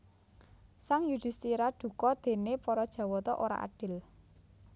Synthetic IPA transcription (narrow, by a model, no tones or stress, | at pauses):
saŋjud̪̥i̤st̪iɾaɖ̪̥ṳkɔd̪̥e̤nepɔɾɔd̥ʒ̥ä̤wɔt̪ɔʔoɾa̰ʔa̰ɖ̥ɪ̤l